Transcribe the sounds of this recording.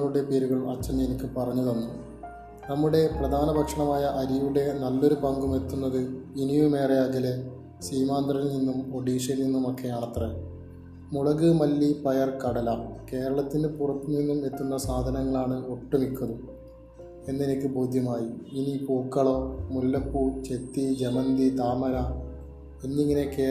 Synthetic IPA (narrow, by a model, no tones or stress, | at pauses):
oːɾuɽe̞peːɾuɣɐɭɐ̰t͡ɕːɐnːɐenikʲːɨpɐrɐɲːɐðonːu | nɐmːuɽe̞prɐd̪ʱaːnɐbʱɐkʂɐɳɐmaːjɐʔɐɾijuɽe̞nɐlːo̞ɾupɐŋɡume̞t̪ːunːɐðɨinijume̞ːreɐɡɐle | siːmaːnd̪rɐnninːumpo̞ɽiːʂɐlninːumo̞kːe̞jaːɳɐt̪re | muɭɐɣɨmɐlːipɐjɐrkɐɽɐlɐke̞ːɾɐɭɐt̪ːinɨpurɐpːuninːume̞t̪ːunːɐsaːd̪ʱɐnɐŋːɐɭaːɳɨoʈːumikʲːɐðu | e̞nːe̞nikʲːɨbo̞ːd̪ʱjɐmaːjiinipuːkːɐɭoːmulːɐpːut͡ɕe̞t̪ːid͡ʑemɐnd̪it̪aːmɐɾɐ | enːiŋːɐne̞keː